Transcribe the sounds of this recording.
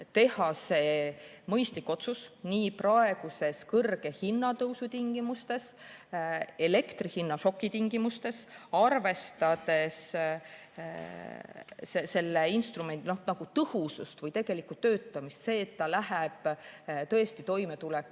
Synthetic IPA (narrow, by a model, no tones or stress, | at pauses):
t̪e̞hɑse̞ː | mɤjst̪likːˑo̞t̪susniːprɑe̞ɡ̥use̞skɤrɡ̥e̞hinːɑt̪ɤwsut̪iŋɡ̥imust̪e̞s | e̞le̞kt̪rihinːɑʃo̞kːˑit̪iŋɡimust̪e̞sɑrve̞st̪ɑd̪̥e̞s | sese̞lːeinst̪rume̞nd̪ino̞hnɑɡ̥ut̪ɤhusust̪vɤjt̪e̞ɡ̥e̞likːˑut̪ø̞ːt̪ːˑɑmist̪se̞ːt̪ːɑlæɦɛb̥t̪ɤ̞est̪it̪o̞jme̞t̪ulɛkːˑ